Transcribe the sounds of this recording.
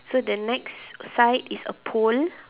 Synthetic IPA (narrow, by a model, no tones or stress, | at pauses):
sodənɛksːaɪtisə̰pʰol